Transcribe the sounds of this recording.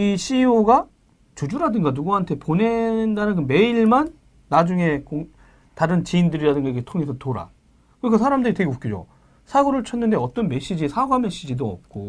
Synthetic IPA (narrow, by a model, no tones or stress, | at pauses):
iɕʰioɡa | t͡ɕod͡ʑuɾadɯŋɡanuɡuɦantʰe̞pone̞ndanɯnɡɯnme̞iɭmanː | ad͡ʑuŋe̞koŋ | taɾɯnt͡ɕiindɯɾiɾadɯŋɡaketʰoŋe̞sʰʌtoɾa̰ | kɯɾikʰasʰaɾamdɯɾite̞ɡeop̚k͈id͡ʑo̰ | sʰaɡoɾɯɭt͡ɕʰʌnːɯnde̞ʌt͈ʌnme̞ɕ͈id͡ʑisʰaɡoɦamjʌnɕ͈id͡ʑidoʌ̰p̚k͈o